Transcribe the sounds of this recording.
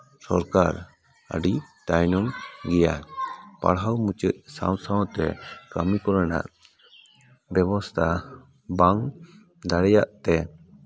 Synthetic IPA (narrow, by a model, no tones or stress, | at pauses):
sɔɾkaɾ | ə̰ɖit̪ajnɔmɡɛjapa̰ɽɦawmut͡ʃəc̪̚sa̰w̃saw̃t̪ɛ̰kamikɔɾana̰ʔ | bjɛbɔst̪ʰa | baŋ | d̪aɽɛjaʔt̪ɛ